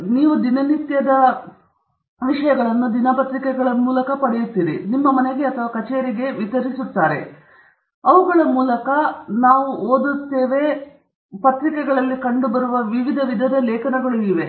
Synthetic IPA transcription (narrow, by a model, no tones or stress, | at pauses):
niːʋud̪inɐnit̪jɐd̪ɐ | ʋiʂɐjɐɡɐɭɐnːud̪inapɐt̪ɾikɛɡɐɭɐmuːlɐkɐpɐɽejut̪ːiɾḭnimːɐmɐneɡe̞ɐt̪ʰɐʋaːkɐt͡ʃeːɾiɡe̞ʋit̪ɐɾisut̪ːaːɾe̞̰ | ɐʋuɡɐɭɐmuːlɐkɐnaːʋuoːd̪ut̪ːeːʋe̞ | pɐt̪ɾikɛɡɐɭɐlːikɐɳɖubɐɾuʋɐʋiʋid̪ʱɐʋid̪ʱɐd̪ɐlɛːkʰɐnɐɡɐɭuniːʋe̞